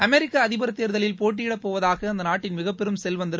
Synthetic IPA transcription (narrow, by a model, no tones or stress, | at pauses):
ɐmɛɾɪkːɐɐðɪbɐɾɐt̪ːejːɾðɐlɪlpoːʈ̬ːɪɪɽɐpːoːʋɐðaːɣɐɐnd̪ɐnaːʈːɪnmɪɣɐpːɛɾɯmsɛlʋɐnd̪ɯɾ